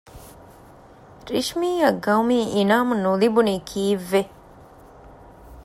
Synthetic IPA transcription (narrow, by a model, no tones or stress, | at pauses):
ɾiʂmiːjɐɡɐumiːinaːmunulibuniːkʰiːʋːe